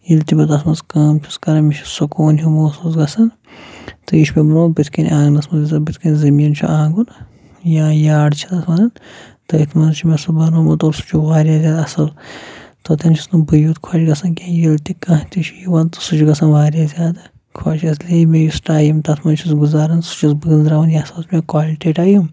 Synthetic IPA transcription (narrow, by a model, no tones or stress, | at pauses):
jilt̪imet̪ɐt̪ʰmɐnskaːmt͡ʃʰu̥skɐɾɐmiʃʰu̥sokoːnɦumoːsuzɡɐsɐn | t̪ɨjiʃʰmebɐnoːbit̪ʰkɐnʲãːɡnɐsmɐzizɐbit̪ʰkɐnʲzɐmijɐnt͡ʃʰuʔãːŋɡun | jaːjaːɖt͡ʃʰinɐsmɐɾɐnt̪ɐit̪ʰmɐnzt͡ʃʰumeɐsubɐnumɐt̪oːɾsu̥t͡ʃʰuʋaːɾʲjaːzʲjaːd̪ɐsɐlt̪ot̪ɐnt͡ʃʰusnubɨjut̪kʰaːt͡ʃɡɐsɐnkʲaːjilt̪ikãːt̪it͡ʃʰujiʋɐnt̪u̥sut͡ʃʰuɡɐsɐnʋaːɾjaːzʲjaːd̪a | kʰwaːt͡ʃʰɐslemẽjusʈaːjumt̪ɐt̪ʰmɐnt͡ʃʰusɡuzaːɾɐnsu̥t͡ʃʰisbɨɡɨnd̪ɾaːʋɐnjaːɐsɐlt͡ʃmẽkwaːliʈeːʈaːjum